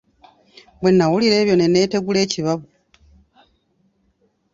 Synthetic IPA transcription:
βbwe̞nːawuliɾe̞ːβjo̞nene̞ːte̞ɡule̞ːciβaβu

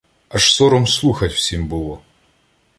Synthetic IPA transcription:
ɐʂsoɾɔmslˠuxɐtʲfsʲimʲbɨlˠɔ

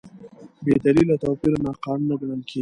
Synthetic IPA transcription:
bed̪alilat̪apiɾonɑqɑnunaɡaɽəlkʰe

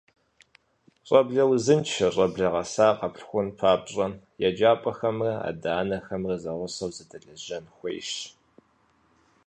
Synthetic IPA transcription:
ɕʼɐbɮɐwzɨnt͡ʃʰɐɕʼɐbɮɐʁɐsaːqɐpɬxʷʊnpʰaːpɕʼɐ | jad͡ʒaːpʼɐxɐmrɐa̰ːdaːnɐxɐmrɐzɐʁʷʊsɐwzɐdʰɐɮɐʑɐnxʷḛjʃ

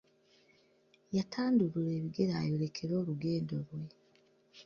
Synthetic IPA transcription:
jatʰaːnduɾuɾe̞ːβiɡe̞ɾaːjo̞ɾe̞kʰe̞ɾo̞ːɾuɡe̞ːndoɾwe̞

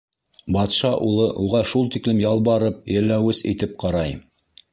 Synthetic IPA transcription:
bɑt̪ʃɑʔulˠɤʔuʁɑʃulˠt̪iklɘmjɑlˠbɑɾɤp̚jɘ̆lːæwɘsḭt̪ɘp̚qɑɾɑj

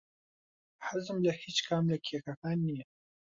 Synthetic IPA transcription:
ħazɨmlɐhiːt͡ʃkʰaːmlɐkʰexakaːnːijɛ

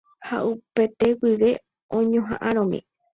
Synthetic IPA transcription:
ha̰ʔupe̞t̪e̞wiʋe̞ | õɲõɦã̰ʔãɾ̃õmḭ̃

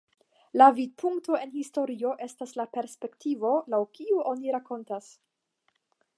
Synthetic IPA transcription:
lavid̚pʰuŋkto̞e̞nhisto̞ɾio̞ʔe̞staslape̞ɾspe̞ktivo̞lawkiuʔo̞niɾako̞ntas

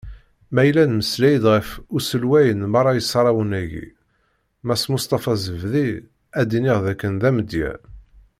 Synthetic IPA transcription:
mæjlænməslæjəd̪ʁəfʊsəlwæjənmɑɾˤɑjəsːɾˤɑwənæʝḭ | mæsmʊst̪ˤɑfɑzəvði | æd̪inɪʁðækːənðæməd̪jæ̰

